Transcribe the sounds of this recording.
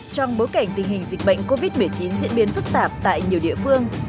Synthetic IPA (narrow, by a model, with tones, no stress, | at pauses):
t͡ɕɔ˧wŋ͡mɓo˨˦jka˧˩ŋ̟t̪ï˨˩ŋ̟hï˨˩ŋ̟zï˨˩k̟̚ɓə̰˧˨jŋ̟ko˧vi˦˥t̚mɨ˨˩əjt͡ɕi˨˦nzḭ˧˥nɓi˨˦nfɨ˦˥k̚t̪aː˨˩p̚t̪a̰ː˧˨jɲi˨˩əwɗḭ˧˨əfɨ˧əŋ